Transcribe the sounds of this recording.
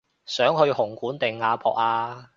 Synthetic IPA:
sœː˨˥ŋhɵ˧ɥhʊ˨˩ŋkuː˨˥nt̪ɪ˨˩ŋːaː˨˧pʰɔː˨k̚aː˧

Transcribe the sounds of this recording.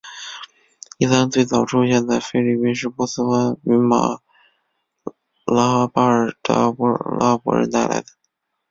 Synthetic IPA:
i˥˩t̪a˥nt͡swe˥˩ɪt͡sɑ˨˩ʊʈ͡ʂʰu˥ɕjɛ˥˧nd̪a˥˩ɪfe˥ɪli˥˩pi˥nʂɻ̩˥˧mu˥˩s̩˥fa˥ny˧˥ma̰˨˩ | la˥pa˥ə˞˨˩t̪a̰˥pla̰˥pwɔ̰˧˥ɻə̰˧˥nt̪a˥˩ɪla̰˧˥ɪd̪ə̥˧

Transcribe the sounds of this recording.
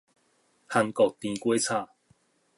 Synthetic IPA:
ha˧ŋkɔ˨k̚t̪ĩ˧kwe˦t͡sʰa˥˧

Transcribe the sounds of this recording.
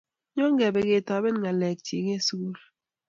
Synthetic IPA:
ɲɔ˦ŋ˦ɡɛ˨be˨ɡe˨tɔ˨˦be˦n˦ŋa˨lɛ˨k̚tʰi˨ɡe˦su˦ɣu˦l

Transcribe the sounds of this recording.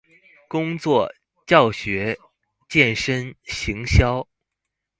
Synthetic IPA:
kʊ˥ŋt͡swɔ˥˧˩ | t͡ɕjɑ˥˩ʊɕɥɛ˧˥ | t͡ɕjɛ˥˩nʂə˥nɕi˧˥ŋɕjɑ˥ʊ

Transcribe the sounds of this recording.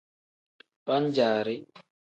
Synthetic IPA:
pa˦nd͡ʒaː˨ɾi˦

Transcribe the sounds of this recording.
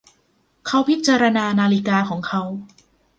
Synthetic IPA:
kʰa˦˥wpʰi˦˥t̪̚t͡ɕaː˧ɾa˧naː˧naː˧li˦kaː˧kʰɔː˩˦ŋkʰa˦˥w

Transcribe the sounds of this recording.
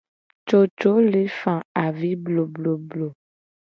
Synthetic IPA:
t͡ʃo˨t͡ʃo˦le˦fã˨a˨vi˦blo˨blo˨blo˨

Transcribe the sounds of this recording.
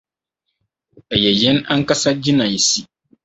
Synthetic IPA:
ɛ˨jɛ˨jɛ˦na˦ŋ̩˦ka˦sa˦d͡ʑi˦nã˨jɛ˨si˨

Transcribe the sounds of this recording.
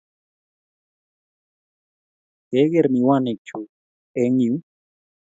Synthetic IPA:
ke˦ɣe˦ɾni˨wa˦˧ne˨k̚t͡ʃʰu˨ | e˦ŋju˦

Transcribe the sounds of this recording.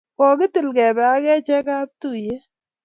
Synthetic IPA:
kɔ˨ɡɪ˦tɪ˨lɡɛ˨bɛ˨a˦ɡɛ˦t͡ʃɛ˦ka˦p̚tu˦˨je˦

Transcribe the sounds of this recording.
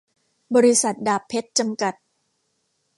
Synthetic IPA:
bɔː˧ɾi˦˥sa˨˩t̪̚daː˨˩pʰːe˦˥t̪̚t͡ɕa˧mka˨˩t̪̚

